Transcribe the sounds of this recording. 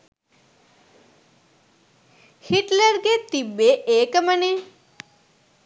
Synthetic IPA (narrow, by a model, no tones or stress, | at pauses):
hiʈləɾɡet̪ibeʔeːkəməne